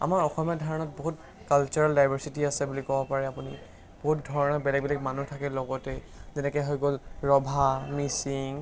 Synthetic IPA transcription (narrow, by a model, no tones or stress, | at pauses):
a̰maɹɔxɔmjadʱaɹɔnɔt̚boɦut | kalt͡ʃuɹaldajbʱasitiasɛbulikɔbɔpaɹɛapuni | b̥oɦut̚dʱɔɹɔnɔbɛlɛk̚bɛlɛk̚manutʰakɛlɔɡɔtɛ | zɛnɛkɔɦojɡolɹɔbʱamisiŋ